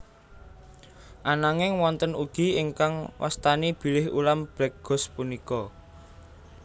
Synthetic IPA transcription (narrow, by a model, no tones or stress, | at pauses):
ʔanaŋɪŋwɔnt̪ənuɡ̥i̤ɪŋkaŋwʔa̰st̪anib̥i̤lɪhṵlamb̥ɛk̚ɡ̥ɔ̤spunikɔ